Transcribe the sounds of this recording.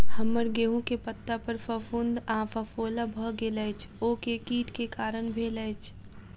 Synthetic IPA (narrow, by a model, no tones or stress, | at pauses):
hɐmːəɾɡeːɦõkepət̪ːapəɾfɐfʊnd̪ãːfɐfoːlabʱəɡeləːt͡ʃʰoːkekiːt̪kekaːɾənbʱeːlət͡ʃʰ